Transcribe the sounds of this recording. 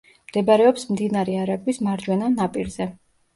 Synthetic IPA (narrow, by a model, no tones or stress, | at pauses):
md̪̥ɛbaɾɛɔpsmd̪inaɾɛaɾaɡwismaɾd͡ʒwɛnanapʼiɾz̥ɛ